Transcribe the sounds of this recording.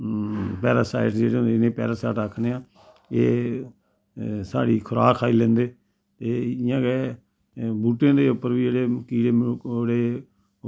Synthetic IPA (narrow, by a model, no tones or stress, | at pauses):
pɛːɾasa̰ːɪʈd͡ʒeːɽeːɦond̪eɪnẽːpɛ̰ːɾaːsaːʈaːkʰneːãː | ḛː | sa̰ːɽḭːkʰʊɾa̰ːkʰaːiːlɛ̃ːnd̪eː | t̪eːɪjãːke | buːʈãːd̪eːʊpːəɾʋiːd͡ʒeːɽeːkiːɽeːmoɽeː